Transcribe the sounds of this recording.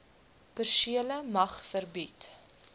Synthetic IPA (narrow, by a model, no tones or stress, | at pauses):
pərsiələmɐχfərbit